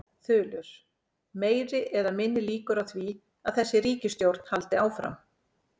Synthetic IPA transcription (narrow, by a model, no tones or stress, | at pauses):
θʏːlʏɾ̥ | meːjɾɪʔɛðamɪnːɪliːkʏɾawθvi | aðθɛsːɪɾiːcɪst̪jowɾt̪n̥halt̪ɪaːwfɾa̰m